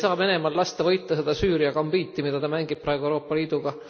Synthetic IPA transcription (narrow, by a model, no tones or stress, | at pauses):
sɑːve̞ne̞mɑllɑst̪ɑvɤjt̪ˑːɑse̞d̪̥ɑsyːɾijɑkɑmb̥iːt̪ːˑimid̪̥ɑd̪ɑmæŋɡ̥ib̥̚pːrɑeɡueɾo̞ːpːˑɑliːd̪̥uɡ̥ɑ